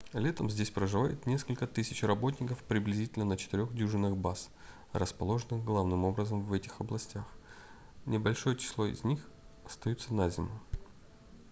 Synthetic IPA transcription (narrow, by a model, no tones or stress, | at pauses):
lʲe̞t̪əmzʲdʲesʲpɾəʐɨvajɪ̰t̪nʲe̞skəlʲkət̪ɨsʲɪt͡ɕrɐbo̞t̬ʲnʲɪkəfpɾʲɪblʲɪzʲitʲɪlʲnənət͡ɕɪt̪ɪɾʲo̞xdʲuʐɨnːɨxbas | rəspɐlˠo̞ʐɨnɨxɡlˠavnɨmo̞bɾəzəmvɛtʲɪxɐblˠɐsʲtʲax | nʲɪbɐlʲʂo̞jət͡ɕɪ̥slˠo̞ɪ̰zʲnʲixɐst̪ɐjut̪sənazʲɪmə